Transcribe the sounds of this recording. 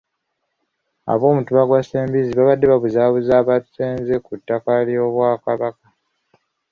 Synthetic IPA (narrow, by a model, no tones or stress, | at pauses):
a̰βo̞ːmutuβaɡwaseːmbiziβaβadːe̞βaβuzaːβuzaːβatu̥seːnze̞kutːakaljo̞βwaːkaβaka